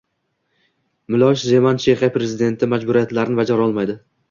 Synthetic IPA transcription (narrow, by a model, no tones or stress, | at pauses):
mɪlˠɒʃze̞mant͡ʃʰeχapɾe̞zɪd̪e̞nt̪ʰɪmad͡ʒbʊɾijat̪laɾɪnɪbad͡ʒaɾɒlˠmajd̪ɪ